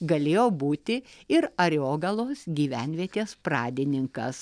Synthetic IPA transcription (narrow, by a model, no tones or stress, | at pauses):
ɡɐlʲeːjoːbuːt̪ʲɪɪɾɐɾʲoːɡɐlˠoːsɡʲiːʋʲæˑnʲʋʲiɛt̪ʲeːspɾɑːd̪ʲɪnʲɪŋkɐ̰s